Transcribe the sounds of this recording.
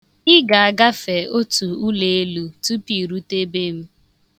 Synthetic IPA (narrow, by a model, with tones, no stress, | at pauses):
ɪ˦ɡa˨a˨ɡa˦fe˨o˦tu˨u˦le˨e˦lu˦tu˦pi˨ɾu˦te˦be˦m̩˦